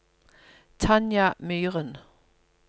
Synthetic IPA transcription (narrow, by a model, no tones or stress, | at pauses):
t͡sʰanjamyːʁən